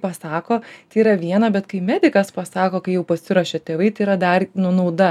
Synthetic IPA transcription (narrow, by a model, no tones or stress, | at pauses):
pɐsɑːkoːt̪ʲɪiɾɐʋʲiɛnɐbʲɛt̪kɐɪmʲæːd̪ʲɪkɐspɐsɑːkoːkɐɪjɛʊpɐsʲɪɾoːʃʲɛt̪ʲeːʋɐɪt̪ɐɪiɾɐd̪ɐrnʊnɐʊd̪ɐ